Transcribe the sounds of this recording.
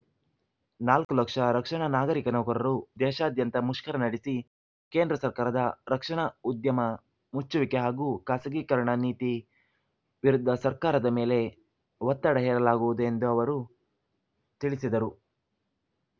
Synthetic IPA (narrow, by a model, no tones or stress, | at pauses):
naːlkulɐkʂɐɾɐkʂɐɳɐnaːɡɐɾikɐnɐːkuɾɐɾud̪ɛːʃaːd̪jɐnt̪ɐmuʂkɐɾɐnɐɽisi | ke̞ːnd̪ɾɐsɐɾkaːɾɐd̪ɐɾɐkʂɐɳɐud̪jɐmɐ | mut͡ʃːuʋikeɦaːɡuːkaːsɐɡiːkɐɾɐɳɐniːt̪i | ʋiɾud̪ʱːɐsɐɾkaːɾɐd̪ɐme̞ːle̞ | ʋɐt̪ːaɽɐɦɛːɾɐlaːɡuʋud̪ue̞nd̪uɐʋɐɾu | t̪iɭisid̪ɐɾu